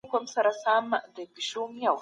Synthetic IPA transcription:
komsaɾasamd̪əpiʃumijaw

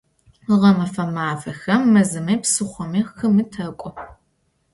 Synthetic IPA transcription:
ʁɐmɐfɐmaːfɐxɐmːɐzɨmɐjpsɨχʷɔmiːxɨmɨtʰɐkʷʼɔ

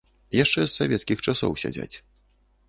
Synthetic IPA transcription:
jaʂt͡ʂɛsːavʲɛt̪skʲixt͡ʂasɔ̰wsʲa̰d͡zʲa̰t͡sʲ

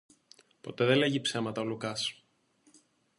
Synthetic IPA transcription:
po̞t̪eðele̞ʝipse̞mɐt̪ɐolukɐs

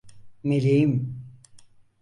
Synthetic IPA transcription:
melʲejim

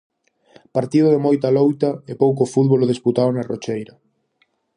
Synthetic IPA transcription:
paɾt̪iðʊðemojt̪alowt̪ɐepowk̬ofuðβoloðisput̪aonarot͡ʃejɾɐ

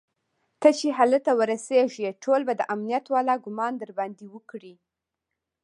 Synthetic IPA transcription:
k̪ət͡ʃeɦalət̪awəɾaseʒeʈʰolbad̪əʔamnijat̪wɑlɑɡʊmɑnd̪əɾband̪iwəkɽi

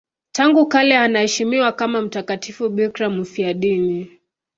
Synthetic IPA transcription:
taŋɡukalɛanahɛʃimiwakamam̩takatʰifuɓikɾamufiaɗini

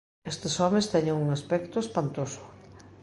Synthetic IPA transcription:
est̪esɔmẽst̪ɛɲeŋuŋaspɛkt̪ʊespant̪osʊ̥

